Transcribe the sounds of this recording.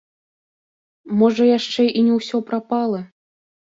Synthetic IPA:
mɔʐɐjaʂt͡ʂɛʔinʲɛwsʲɔpɾapalˠɐ

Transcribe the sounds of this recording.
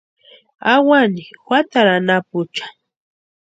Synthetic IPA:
awaniwat̪aɾanapʊt͡ʃḁ

